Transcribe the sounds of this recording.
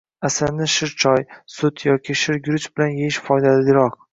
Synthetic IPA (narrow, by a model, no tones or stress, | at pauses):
asaɾnɪʃɪɾt͡ʃʰɒjsʊt̪ʰjɒkʲʰiʃɪɾɡʲʊɾɪt͡ʃbɪlanjeɪʃfɒjd̪alɪɡʲɪɾɒq̚